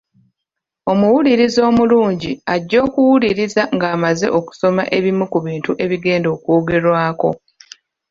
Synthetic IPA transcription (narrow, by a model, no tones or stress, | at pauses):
o̞muwuliɾizoːmuluːɲɟiaɟːo̞ːkuwuliɾizaŋɡaːmaze̞̰ʔo̞ku̥so̞maʔe̞βimukuβiːntuʔe̞βiɡe̞ːndo̞ːkoːɡe̞ɾwaːko̞̰